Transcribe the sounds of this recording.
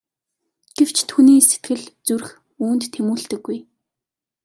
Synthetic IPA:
ɡ̥ew̥t͡ɕt̪ʰuniːse̥t̪ɡɘ̆ɮt͡sur̆x | uːnt̪ʰːemuːɮt̪ɘ̆ɡːuj

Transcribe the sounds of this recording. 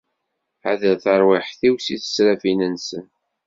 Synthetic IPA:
a̰ðəlθəɾˤwɪħθiwsiθə̥sɾæfinənsən

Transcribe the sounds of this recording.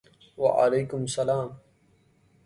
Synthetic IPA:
wa̰ʔa̰lejkʊmsɐlaːm

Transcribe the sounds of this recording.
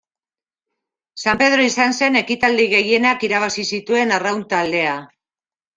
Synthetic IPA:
sampe̞ð̞ɾo̞isanse̞ne̞kit̪ald̪iɣe̞je̞nakiɾaβ̞asisit̪ue̞narawnt̪ald̪e̞a

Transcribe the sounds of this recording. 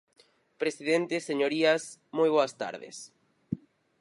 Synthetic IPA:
pɾesiðent̪eseɲoɾiɐsmojβ̞oɐst̪a̰ɾðɪ̰s

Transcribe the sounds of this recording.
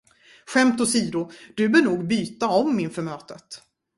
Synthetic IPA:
ɧɛmt̪ʊsiːd̪ʊd̪̥ɵbœɳuːɡbyːt̪aɔmːɪnfœɾmøːt̪ət̪

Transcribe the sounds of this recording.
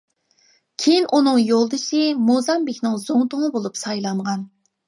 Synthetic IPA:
kʲʰejinʔunɨŋjolˠd̪ɨʃɨmozɑmbekʲnɪŋzoŋt̪ʊŋəbolˠupsɑjlˠɑɴʁɑn

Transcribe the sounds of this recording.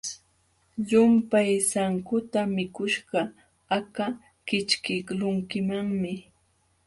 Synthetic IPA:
ʎʊmpajsaŋkʊt̪amɪkʊʃɢɑ | aka | kɪt͡ʃkɪklʊŋkɪmaŋmɪ

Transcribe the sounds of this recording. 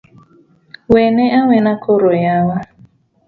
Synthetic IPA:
weneʔaŋenakʰoɾojawa

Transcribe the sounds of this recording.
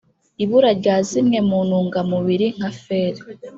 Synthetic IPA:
iβuɾaɾɟaːzimŋe̞muːnuːŋɡamuβiɾiŋ̥hafeːɾe

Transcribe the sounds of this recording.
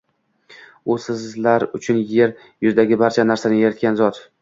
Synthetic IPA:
ʊsɪzlaɾʊt͡ʃʰʊnje̞ɾ | jʊzd̪aɡʲɪbaɾt͡ʃʰanaɾsanɪjeɾɪt̪̚kʲanzɒt̪

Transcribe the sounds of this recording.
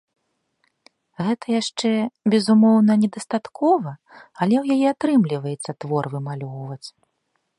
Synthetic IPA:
ɣɛt̪ʰɐjaʂt͡ʂɛbʲɛzumɔwnɐnʲɛd̪ɐst̪at̪kʰɔvɐɐlʲɛwjajɛat̪ɾɨmlʲivɐjɛt̪sːɐt̪vɔrvɨmalʲɔwvɐt͡sʲ

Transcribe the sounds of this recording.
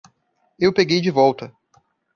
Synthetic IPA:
ewpeɡejd͡ʒɪvɔwt̪ɐ

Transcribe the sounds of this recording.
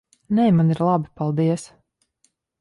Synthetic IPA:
nɛjmaniɾlˠabipalˠd̪iɛs

